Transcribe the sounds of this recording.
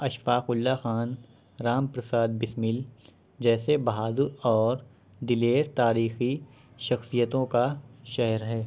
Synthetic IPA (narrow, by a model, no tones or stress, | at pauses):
ɐʃfaːqʊlːaxaːn | ɾaːmpɾɐsaːd̪̚bɪsmɪl | d͡ʒɛːsebɐɦaːd̪ʊɾɔːɾ | d̪ɪleːɾt̪aːɾiːxi | ʃɐxsijət̪õkaʃɛɦɾɦɛː